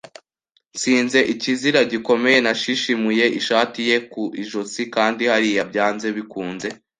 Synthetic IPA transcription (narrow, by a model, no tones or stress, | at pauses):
nsiːnze̞ʔiciziɾaɟiko̞me̞je̞naʃiʃimuje̞ʔiʃaːtije̞kuʔiʒot͡sikaːndihaɾijabɟaːnze̞βikuːnze̞